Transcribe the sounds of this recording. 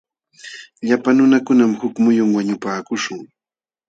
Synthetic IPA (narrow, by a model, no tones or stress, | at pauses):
ʎapanʊnakʊnamhʊkmʊjʊŋwaɲʊpaːkʊʃʊŋ